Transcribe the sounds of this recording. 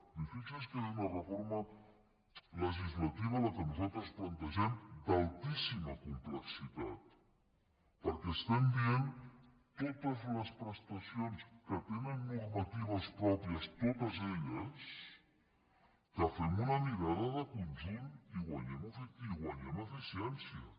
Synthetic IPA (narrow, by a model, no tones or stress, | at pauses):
d̪ifisileskəðɛmərəfoɾmə | ləʒizlət̪iβələkənuzalˠt̪ɾəsplənt̪əʒɛmd̪alˠt̪isiməkumpləksit̪a̰t̪̚ | pəɾkɛːst̪ɛmbien | t̪ot̪əzləspɾəst̪əsionskət̪enənːurmət̪iβ̞əspɾɔpɾiəst̪ot̪əzeʎəs | kəfɛmunəmiɾaðəðəkunzumiɣwəɲɛməfiiɣwəɲɛməfisiɛnsiə